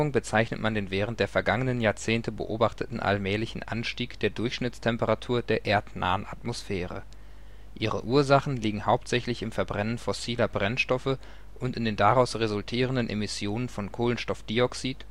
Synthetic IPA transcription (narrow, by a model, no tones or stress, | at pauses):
ʊŋbət͡saɪçnətmandeːnvɛːʁ̞əntd̥eːɐfɛɐɡaŋənənjaːɐt͡seːntəbə̰ʔoːbaχtətn̩ʔa̰lmɛːlɪçn̩ʔa̰nʃtiːkd̥eːɐdʊɐçʃnɪt͡stʰɛmpəʁatʰuːɐdeːɐʔeːɐtnʔa̰ːəna̰tmosfɛːʁə̰ | ʔiːʁə̰ʔuːɐzaχn̩liːɡŋ̩haʊptz̥ɛçlɪçɪmfɛɐbʁɛnənfɔsiːlɐbʁɛnʃtɔfə | ʔʊntɪndeːndaʁaʊsʁezʊltʰiːʁ̞əndənʔemɪsjoːnənfɔnkʰoːlənʃtɔfd̥iɔksiːt